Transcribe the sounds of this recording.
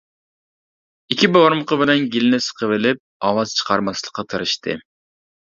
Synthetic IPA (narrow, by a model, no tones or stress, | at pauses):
ikʲʰiboɾməqəbɪlɛnɡʲilɪnɪsə̥qʰəvɪlɪp̚ɑwɑz̥t͡ʃʰə̥qʰɑɾmɑslˠəqːɑt̪ʰɨɾɨʃt̪ʰɨ̰